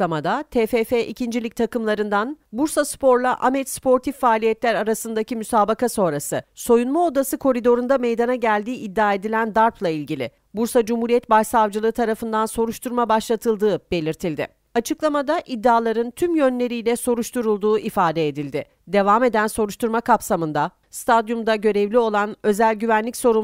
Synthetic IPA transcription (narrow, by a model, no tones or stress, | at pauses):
amad̪at̪ʰeːfeːfeʔicʰind͡ʒilʲic̚t̪ʰakɯmlˠaɾɯnd̪anbuɾsaspʰo̞ɾlˠaʔamɛspʰo̞ɾt̪ʰifːaːlʲijɛt̪lʲæɾaɾasɯnd̪acimysaːbakaso̞nɾasɯso̞junmao̞d̪asɯkʰo̞ɾid̪o̞ɾund̪ame̞jd̪anaɟælʲd̪iːʔid̪ːaːe̞d̪ilʲænd̪aɾpʰlˠailʲɟilʲɪ̰ | buɾsad͡ʒumhuɾijɛt̪̚bajsavd͡ʒɯlˠɯːɯt̪ʰaɾafɯnd̪anso̞ɾuʃt̪ʰuɾmabaʃlˠat̪ʰɯlˠd̪ɯːb̥e̞lʲiɾt̪ʰilʲd̪ɪ̰ | at͡ʃʰɯklˠamad̪aʔid̪ːaːlˠaɾɯnt̪ʰymjø̞nlʲe̞ɾijlʲɛso̞ɾuʃt̪ʰuɾulˠd̪uːʔifaːd̪ɛed̪ilʲd̪ɪ | d̪e̞vaːme̞d̪ænso̞ɾuʃt̪ʰuɾmakʰapsamɯnd̪a | st̪ʰad̪jumd̪aɟø̞ɾevlʲio̞lˠanø̞zælʲɟyvænlʲicso̞ɾu